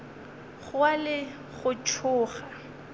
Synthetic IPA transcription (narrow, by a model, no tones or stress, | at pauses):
ɣʊalɪ | ɣʊt͡ʃʰʊːχa